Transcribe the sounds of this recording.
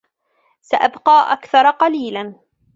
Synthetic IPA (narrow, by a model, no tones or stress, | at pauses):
saʔabqɑːʔa̰kθɑɾˤɑqɑliːlan